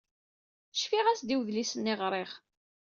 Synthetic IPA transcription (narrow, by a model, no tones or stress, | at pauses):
ʃfiʁæsd̪iwðlisənːiʁɾˤeχ